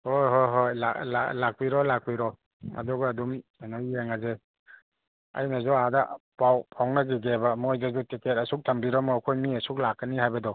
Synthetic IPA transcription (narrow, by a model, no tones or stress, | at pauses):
hojɦojɦojla̰la̰lak̚piɾɔlak̚piɾɔ | ɐ̰duɡɐɐdumanɔjeŋaze | ɐ̰jnazɔadapʰawpʰawnaɡiɡebɐmojdazutiket̚ɐsuk̚tʰambiɾɔmɔːkʰojmiɐsuk̚lakːɐniɦajbɐdɔ